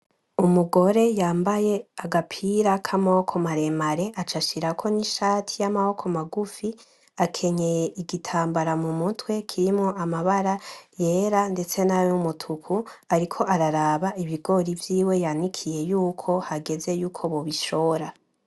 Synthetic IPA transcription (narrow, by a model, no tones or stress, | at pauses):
umuɡo̞ɾe̞jaːmbaje̞aɡapʰiɾakʰamaho̞kʰo̞maɾe̞maɾe̞ʔat͡ʃaʃiɾakʰo̞niʃaːtʰijamaho̞kʰo̞maɡufi | akʰe̞ɲejeʔiɡitʰaːmbaɾamumutwe̞kʰiɾimŋoʔamaβaɾaje̞ːɾande̞t͡se̞najomutʰukʰuaɾikʰo̞ʔaɾaɾaːβaiβiɡo̞ɾivjiːwe̞janwikʰije̞juːkʰo̞haɡe̞ze̞juːkʰo̞βoβiʃo̞ːɾa